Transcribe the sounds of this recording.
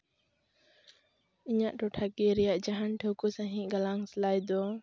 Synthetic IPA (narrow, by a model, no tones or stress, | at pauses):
iɲaʔdɔʈʰaɡiɾijaʔd͡ʒaɦantʰokusaɦĩʔɡalaŋslajd̪ɔ